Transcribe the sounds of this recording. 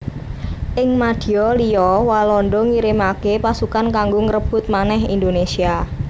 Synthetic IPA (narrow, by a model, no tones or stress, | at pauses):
ʔɪŋmad̪̥i̤ɔlijɔwalɔnɖɔŋiɾimakepasukankaŋɡoŋəɾəb̥ʊ̤t̪̚manɛɦḭnd̪onesia